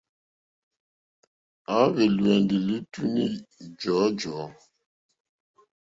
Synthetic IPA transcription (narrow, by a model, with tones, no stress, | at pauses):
a˦βe˨lwɛ˨ndi˨li˦tu˦ni˦d͡ʒɔ˨˦d͡ʒɔ˨˦